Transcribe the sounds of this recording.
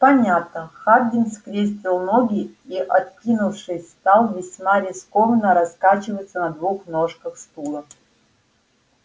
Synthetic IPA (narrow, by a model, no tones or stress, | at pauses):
pɐnʲat̪̚nəxad̪ʲɪnskɾʲesʲtʲɪlˠnoɡʲɪiʔɐt̪̚kʲinufʂɨsʲst̪alˠvʲɪsʲmaɾʲɪskovənəɾɐskat͡ɕɪvəjt̪sənɐd̪vuxnoʂkəxst̪ulˠə